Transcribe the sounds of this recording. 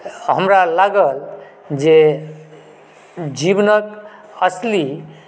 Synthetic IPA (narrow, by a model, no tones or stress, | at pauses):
ɦəmɾalaɡəl | d͡ʒe | d͡ʒibnək | əsli